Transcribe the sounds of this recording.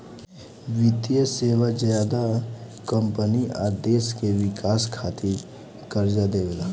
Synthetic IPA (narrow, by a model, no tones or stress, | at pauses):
ʋɪt̪ijəseːwazjaːd̪akə̃mpəniʔad̪eːskeʋɪkaːskʰaːt̪i | kəɾd͡ʒad̪eːwla